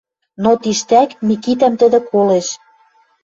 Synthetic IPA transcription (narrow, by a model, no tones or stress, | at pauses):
not̪iʃt̪ækmikit̪æmt̪ə̆d̪ɘ̆koleʃ